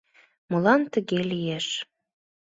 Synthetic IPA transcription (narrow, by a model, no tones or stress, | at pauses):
mɤ̆lɑnt̪əɣelijeʃ